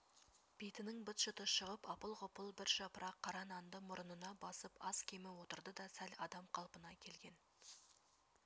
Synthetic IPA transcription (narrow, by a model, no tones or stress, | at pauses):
b̥ejt̪ɪnɪŋbʊt̪ʃʊt̪əʃəʁəpɑpəlˠqʊpəlˠbɪɾʃɑpəɾɑqʰːɑɾɑnɑnd̪əmʊɾənənɑbɑsəpɑskʲʰe̞mɪwo̞t̪əɾd̪əd̪ɑsælɑd̪ɑmqʰɑlˠpənɑkʲʰe̞lɡʲe̞n